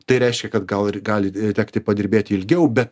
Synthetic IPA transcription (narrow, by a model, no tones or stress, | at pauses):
t̪ɐɪɾʲɛɪʃʲkʲɛkɐt̪ɡɐlˠɪɡɑːlʲɪt̪ʲæːkt̪ʲɪpɐd̪ʲɪɾʲbʲeːt̪ʲɪɪlʲɡʲɛʊbʲɛt̪